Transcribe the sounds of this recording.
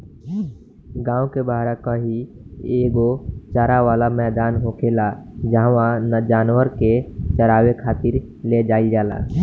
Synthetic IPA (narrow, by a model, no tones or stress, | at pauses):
ɡãːõkebaːɦɾakãɦieːɡot͡ʃaːɾaʋaːlamɛːd̪aːnɦoːkʰelad͡ʒaɦʋãnd͡ʒaːnwəɾket͡ʃəɾaːwekʰaːt̪ɪɾ | led͡ʒaːid͡ʒaːla̰ː